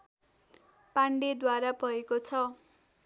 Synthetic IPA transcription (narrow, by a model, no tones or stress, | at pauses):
paɳɖed̪waɾapʌekot͡sʰʌ